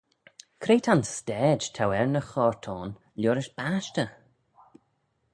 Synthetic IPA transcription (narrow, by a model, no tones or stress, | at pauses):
kʰɾeːtʰanstɛːd͡ʒtʰawɛɹnəxɔːɹtʰɔːn | lʲɔːɾɪʃb̥aːʃtə